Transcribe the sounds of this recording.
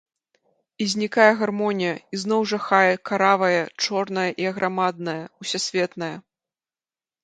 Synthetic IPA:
izʲnʲikajɐɣarmɔnʲijɐizn̪ɔwʐɐxajɛkaɾavɐjɐt͡ʂɔrnɐjɐʔiɐɣɾʔamad̪̚nɐjɐusʲasʲvʲɛt̪nɐjɐ

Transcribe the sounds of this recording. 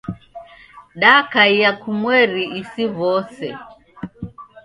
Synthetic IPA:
ɗakaijakumwɛɾiːsiβɔsɛ

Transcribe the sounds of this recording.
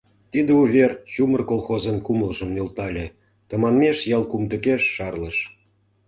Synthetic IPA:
t̪id̪euvʲert͡ɕumərkolˠxozənkuməlʒə̆mnølt̪ɑlʲĕ | t̪ə̆mɑnmeʃjɑlˠkumd̪ə̆keʃːɑrlə̆ʃ

